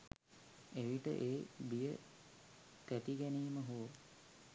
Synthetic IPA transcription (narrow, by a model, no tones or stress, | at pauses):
eʋiʈə̰ʔeːbijə | t̪æʈiɡæniːməɦuə